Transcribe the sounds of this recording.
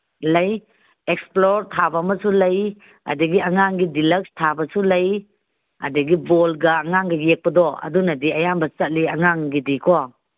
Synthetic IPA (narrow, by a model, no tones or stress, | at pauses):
lɐj | eksploɾtʰabɐmɐsulɐj | a̰dɐɡiɐŋaŋɡidilɐk̚stʰabɐsulɐj | a̰dɐɡibɔlɡɐːŋaŋɡɐjek̚pɐdɔɐ̰dunɐdiɐjambɐt͡ʃɐt̚liɐŋaŋɡidikʰɔ